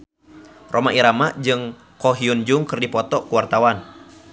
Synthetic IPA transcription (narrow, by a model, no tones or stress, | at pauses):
rʔomaʔiɾamaʔd͡ʒɨŋ | kɔɦiund͡ʒuŋkɨrdipɔt̪ɔkuwart̪awan